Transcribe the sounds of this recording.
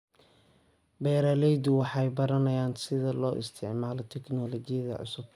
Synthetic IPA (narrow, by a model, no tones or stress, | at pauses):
bɛːɾaːlɛjd̪ʊwɑħɑjbɐɾɐnɐjaːnsɪðɐlɔːʔɪ̰st̪ʰɪʕmaːlɔt̪ʰɛknɔlɔt͡ʃɪjɐðɐ̰ʕʊ̰sʊb̥̚